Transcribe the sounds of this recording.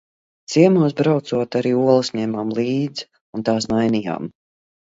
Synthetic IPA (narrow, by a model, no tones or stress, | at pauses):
t̪siɛmuɔs̬bɾawt̪suɔt̪aɾiːuɔlˠɨsɲɛmamlˠiːd̪z | unt̪aːsnajnija̰ːm